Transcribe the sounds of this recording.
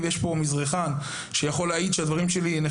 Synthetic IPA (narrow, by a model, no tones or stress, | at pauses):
vejeʃpo̞mizʁeχan | ʃejaχo̞lːeaid̪ʃead̪vaʁimʃe̞line